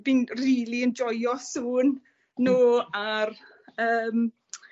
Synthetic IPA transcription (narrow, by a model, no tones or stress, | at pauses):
bɪnriːliənd͡ʒɔjɔsuːnː | oːar | əːm